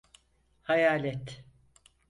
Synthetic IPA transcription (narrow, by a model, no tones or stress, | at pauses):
hajaːlʲɛt̪